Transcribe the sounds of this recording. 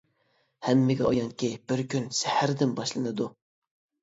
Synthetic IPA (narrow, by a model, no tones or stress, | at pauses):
hæmːɪɡʲɛʔɑjɑŋkʲibɪɾkʲynsæhæɾd̪ɪnbɑʃlˠɨnɨd̪u